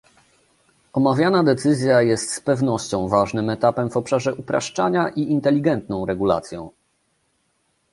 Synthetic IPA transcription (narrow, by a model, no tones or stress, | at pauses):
ɔmavʲjanad̪ɛt̪sɘzʲjajɛst̪spɛvnɔɕt͡ɕɔ̃w̃vaʐnɘmɛt̪apɛmvɔpʂaʐɛʔupɾa̰ʂt͡ʂaɲaʔiint̪ɛlʲiɡɛnt̪nɔ̃w̃ɾɛɡula̰t̪sʲjɔ̃w̃